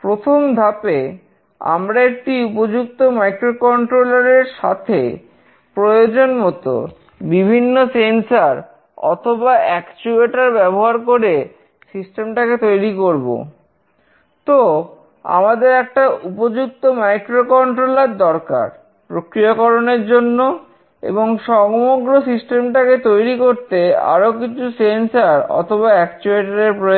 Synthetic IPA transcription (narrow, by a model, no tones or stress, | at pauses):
pɾot̪ʰomd̪ʱape | a̰mɾaek̚ʈiupod͡ʑuk̚t̪omajkɾokɔɳʈɾolaɾeɾʃa̰t̪ʰe | pɾojod͡ʑonmɔt̪o̰ | bibʱinːosensaɾ | ɔ̰t̪ʰobaʔɛkt͡ɕueʈaɾbɛboɦaɾkoɾe | sisʈemʈaket̪ojɾikoɾbo̰ | t̪o | a̰mad̪eɾɛk̚ʈaupod͡ʑuk̚t̪omajkɾokɔɳʈɾoleɾd̪ɔɾka̰ɾ | pɾokɾiakɔɾoneɾd͡ʑonːo | ḛboŋʃɔŋmoɡɾosisʈemʈaket̪ojɾikoɾt̪ea̰ɾokit͡ɕʰusensaɾɔ̰t̪ʰoβaɛkt͡ɕueʈaɾeɾpɾo